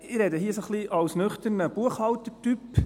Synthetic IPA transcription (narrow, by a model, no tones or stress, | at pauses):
ɪɾɛd̪əɦiːəsoχliʔɑwsnʏχt̪əɾnəb̥uəχhɑwt̪ətyp